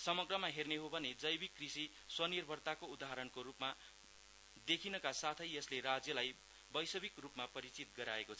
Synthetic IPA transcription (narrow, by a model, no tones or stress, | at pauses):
sʌmʌɡrʌmaɦerneɦobʱʌned͡zʌjbikːrisi | swʌnirbʱʌrt̪akoud̪aɦaɾʌnkoɾupma | d̪ekʰinʌkasat̪ʰʌjʌsleɾad͡zjʌlaj | bʌjsʌbikrupmapʌɾit͡sit̪̚ɡʌɾaekot͡sʰʌ